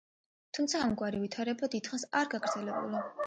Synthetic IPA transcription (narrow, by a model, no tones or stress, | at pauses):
t̪ʰumt̪sʰaːmɡwaɾivit̪ʰaɾɛbad̪id̪χasaɾɡaɡɾd̪zɛlɛbṵli